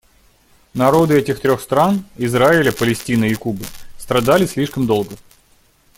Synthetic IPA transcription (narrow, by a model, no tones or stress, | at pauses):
nɐɾo̞d̪ɨɛtʲɪxt̪ɾʲo̞xst̪ɾanɪzɾaɪlʲəpəlʲɪsʲtʲinɨːkubɨst̪ɾɐd̪alʲɪsʲlʲiʂkəmd̪o̞lˠɡə